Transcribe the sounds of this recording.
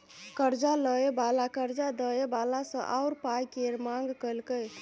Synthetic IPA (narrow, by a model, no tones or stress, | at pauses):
kəɾd͡ʒaləebalakəɾd͡ʒad̪əebalasə̰̃ʔaʊɾpajkeɾmaŋɡkəjlkəj